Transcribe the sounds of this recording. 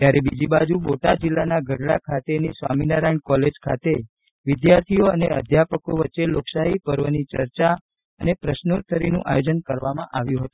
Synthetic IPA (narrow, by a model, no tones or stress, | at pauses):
t̪jaɾebid͡ʒibad͡ʒuboʈad͡ʒilːanaɡʱəɽɭa̰kʰat̪enisʋa̰minaɾajɳkɔled͡ʒkʰa̰t̪e | ʋɪd̪jaɾt̪ʰijoəneəd̪ʱjapəkoʋətːʃeloksaɦipəɾʋənit͡ʃəɾt͡ʃa | ənepɾəʃnot̪ʰəɾinṵ̃ʔa̰jod͡ʒənkəɾʋamãʔaʋjũɦət̪ũ